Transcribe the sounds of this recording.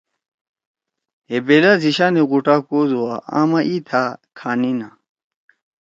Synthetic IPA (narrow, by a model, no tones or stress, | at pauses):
ɦebeːlaziɕaːneɣuʈakoːzowaa̰ːmaʔit̪ʰakʰaːnina